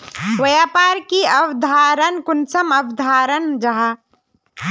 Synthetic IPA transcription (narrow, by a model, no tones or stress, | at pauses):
wɐjaːpaːɾkiɐwd̪ʱaːɾənkʊnsɐmɐwd̪ʱaːɾənd͡ʒɐɦa